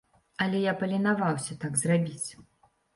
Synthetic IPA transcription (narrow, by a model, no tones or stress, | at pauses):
ɐlʲɛjapɐlʲɛnavawsʲɐt̪aɡzrabʲit͡sʲ